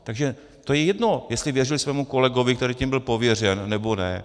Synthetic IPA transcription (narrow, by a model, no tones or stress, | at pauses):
t̪aɡʒɛ | t̪ojɛjɛdno̞jɛst̪lɪvjɛrɪlɪsvɛːmuko̞lɛɡo̞vɪkt̪ɛɾiːcimbɪlpo̞vjɛr̝ɛnːɛbo̞nɛ̰